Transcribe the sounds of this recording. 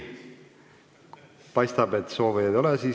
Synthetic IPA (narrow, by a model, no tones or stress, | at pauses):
pɑjst̪ɑbe̞t̪so̞ːviɑd̪o̞lɛsiː